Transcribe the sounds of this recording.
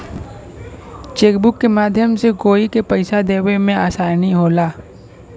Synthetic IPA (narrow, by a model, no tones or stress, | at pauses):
t͡ʃeːkbʊkːemaːd̪ʱjəmseɡoːikepəɪsad̪eːʋemẽaːsaːniɦoːlaː